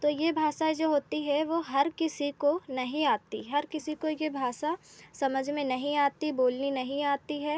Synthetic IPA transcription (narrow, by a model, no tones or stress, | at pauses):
t̪ojebʱaːʃad͡ʒoːɦoːt̪iɦɛʋoɦɐɾkɪsikonɐɦĩaːt̪ḭɦɐɾkɪsikojebʱaːʃasɐməd͡ʒʱmẽnɐɦĩaːt̪iboːlninɐɦĩaːt̪iɦɛː